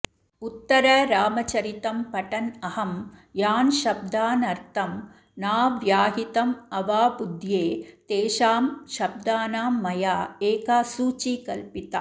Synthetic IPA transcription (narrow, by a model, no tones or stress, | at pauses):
ut̪ːɐɾɐɾaːmɐt͡ʃɐɾit̪ɐmpɐʈɐnɐhɐmjaːnʃɐb̚d̪aːnɐɾt̪ʰɐm | naːʋjaːɦit̪ɐmɐʋaːbud̪ʱjeːt̪eːʃaːmʃɐb̚d̪aːnaːmːɐjaːeːkaːsuːt͡ʃikɐlpit̪a